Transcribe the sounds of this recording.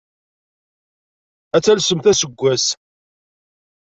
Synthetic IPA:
æt͡sːælsəmθæsəɡʷːæs

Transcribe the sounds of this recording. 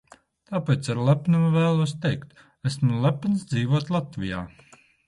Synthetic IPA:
t̪aːpɛt̪saɾlæpnumvæːlˠuɔs̬t̪ɛjkt̪ | æsmulˠæpnsd̪ziːʋuɔt̪lˠat̪vʲija̰ː

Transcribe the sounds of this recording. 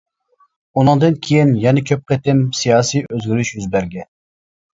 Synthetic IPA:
unɨŋd̪ɨnkʲʰejinjɛnɛkʲʰøp̚qet̪ɪmsijɑːsijøzɡʲyɾyʃjyzbæɾɡʲɛn

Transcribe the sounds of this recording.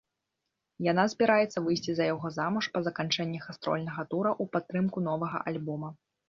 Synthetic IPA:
janazʲbʲɛɾajɛt̪sːɐvɨjsʲt͡sʲizɐjaɣɔzamuʂpɐzɐkant͡ʂɛnʲːɐxast̪ɾɔ̰lʲnɐɣɐt̪uɾɐʔupat̪ːɾɨmkun̪ɔvɐɣɐ̰ʔalʲbɔmɐ

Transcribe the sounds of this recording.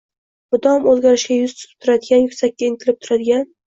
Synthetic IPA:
bʊd̪ɒmozɡʲaɾɪʃɡʲajʊz̥t̪ʰʊ̥t̪ɪp̚t̪ʰʊɾad̪ɪɡʲanjʊkʲsakʲːaɪŋt̪ʰɪlɪp̚t̪ʰʊɾad̪ɪɡʲan

